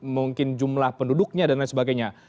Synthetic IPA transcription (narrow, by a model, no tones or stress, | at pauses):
muŋkɪnd͡ʒumlahpəndudʊk̚ɲadanasəbaɡajɲa